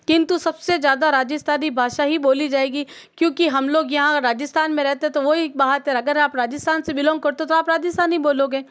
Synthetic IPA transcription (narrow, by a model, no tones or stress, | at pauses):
kɪ̃nt̪usɐbsezjaːd̪aɾaːd͡ʒɪst̪ʰaːnibʱaːʃaɦiboːlid͡ʒaːeːɡi | kjõːkiɦɐmloːɡjɐɦãɾaːd͡ʒɪst̪ʰaːnmẽɾɛɦt̪eɛ̃t̪oʋoɦibaːɦəɾt̪eɦɛ̃ɐɡəɾaːpɾaːd͡ʒɪst̪ʰaːnsebɪlɔ̃ːŋɡkɐɾt̪ot̪oaːpɾaːd͡ʒɪst̪ʰaːniboːloːɡeː